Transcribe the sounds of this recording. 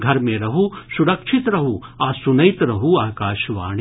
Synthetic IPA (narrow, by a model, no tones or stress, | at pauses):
ɡʱɐɾmẽɾɐɦusuɽɐkʃʰit̪ɾɐɦuaːsunɐjt̪ɾɐɦuaːkaːʃʋa̰ːɳe